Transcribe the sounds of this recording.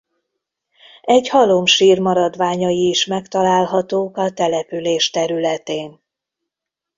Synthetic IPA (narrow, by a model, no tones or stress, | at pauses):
ɛɟhɒlo̞mʃiːrmɒɾɒd̪ʋaːɲɒjiːʃmɛkt̪ɒlaːlɦɒt̪oːkɒt̪ɛlɛpyleːʃt̪ɛɾylɛt̪eːn